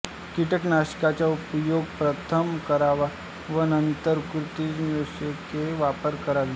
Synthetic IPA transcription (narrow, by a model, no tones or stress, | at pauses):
kiʈəknaɕi̥kat͡ɕjaupjoɡ̚pɾət̪ʰəmkəɾaʋa | ʋənənt̪əɾkɾut̪id͡ʑməsəkeʋapəɾkəɾaʋi